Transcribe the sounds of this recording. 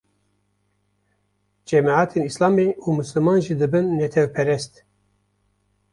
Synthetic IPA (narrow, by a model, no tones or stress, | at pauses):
d͡ʒɛmaʕaːt̪ʰenislɑːmeumɨslɨmɑːnʒid̪ɨbɨnːɛt̪ʰɛvpʰɛɾɛst̪